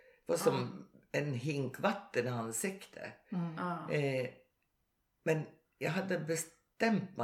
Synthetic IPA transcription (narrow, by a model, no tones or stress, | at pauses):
ɛvasɔmɛnɦɪŋkvat̪ːənansɪkt̪ʰə̰ | mɛn | jɑɦad̪ːəbəs | t̪ɛmt̪mɛ